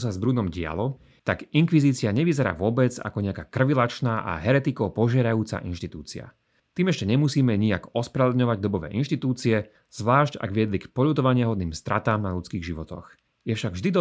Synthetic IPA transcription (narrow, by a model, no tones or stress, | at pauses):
s̬azbɾunɔmɟɪa̰lɔ | t̪aɡiŋkʋiziːt͡siaɲɛʋizɛɾa̰ːʋʊɔbɛd͡za̰kɔɲɛakaːkr̩ʋilat͡ʃnaːʔa̰ɦɛɾɛt̪ikɔpɔʒɪɛɾajuːt͡sa̰ʔinʃt̪it̪uːt͡sia̰ | t̪iːmɛʃcɛɲɛmusiːmɛɲia̰ɡɔspɾɛlɛd̪ɲɔʋaɟd̪ɔbɔʋɛ̰ːʔinʃt̪it̪uːt͡siɛ | z̥ʋlaːʃca̰ɡʋɪɛd̪likpɔʎut̪ɔʋaɲɪɛɦɔd̪niːmst̪ɾʔat̪aːmnaʎut͡skiːɣʒiʋɔt̪ɔ̰x | jɛfʃaɡvʒd̪id̪